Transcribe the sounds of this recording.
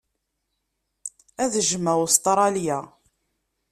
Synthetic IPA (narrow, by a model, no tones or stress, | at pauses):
æðəʒəmːæwst̪ˤɾˤɑljæ